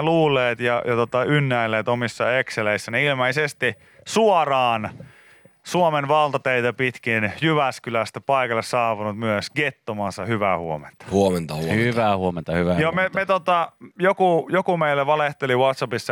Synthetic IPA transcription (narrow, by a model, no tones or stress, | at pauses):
luːlːˑeːt̪jɑjɑt̪ot̪ɑynːæilːˑeːt̪omisːɑekseleisːæneilmeisest̪i | suorɑːn | suomenʋɑlt̪ɑt̪eit̪æpit̪kinjyʋæskylæst̪æpɑikɑlːessɑːʋunut̪myøsɡ̥et̪ːomɑːnsɑhyʋæhuomḛnt̪ɑ̥huoment̪ɑhuhyʋæhuoment̪ɑhyʋæjomemet̪ot̪ɑjokujokumeilːeʋɑleht̪eliʋwɑt̪sɑpisːɑ